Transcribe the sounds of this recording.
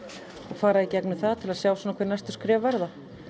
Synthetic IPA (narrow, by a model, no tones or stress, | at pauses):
ɔɣfaːɾaicɛknʏθaðt̪ʰɪlaðsjaːwsɔːnakʰvɛːɾnajst̪ʏ̥skɾɛːvvɛɾða